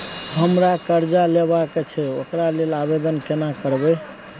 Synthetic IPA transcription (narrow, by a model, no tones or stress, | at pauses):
ɦəmɾakəɾd͡ʒaleβaket͡ʃʰɛokɾalelabed̪ənkenakəɾbɛ